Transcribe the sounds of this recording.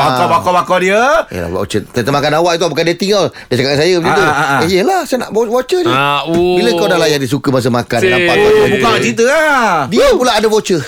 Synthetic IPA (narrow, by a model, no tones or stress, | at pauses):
baabakabakawdiəjə̰la̰ula̰o̰t͡ʃəsat̪əmakanawaʔit̪̬uabakandiət̪iŋəldat͡ʃakaʔkansajəət͡ʃit̪uəijəlahsajəna̰ʔbwot͡ʃəd͡ʒiabiləŋkawdalajandis̬ukəmas̬əmakanalaakaabukaat͡ʃit̪̬əadiəpulaːdabot͡ʃə